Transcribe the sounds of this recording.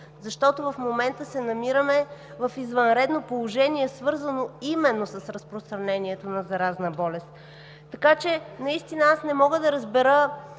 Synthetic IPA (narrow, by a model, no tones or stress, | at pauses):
zɐʃt̪ɔt̪ovɐfmomɛnt̪əsɛnɐmiɾəmɛ | vɐfizvɐnɾɛd̪nopolˠoʒɛniɛsvɤɾzɐnoimɛnːosɐsɾɐspɾost̪ɾɐnɛniɛt̪onɐzɐɾaznəbɔlɛst̪ | t̪ːɐkat͡ʃɛnɐist̪inəasnɛmɔɡəd̪ɐɾəzbɛɾə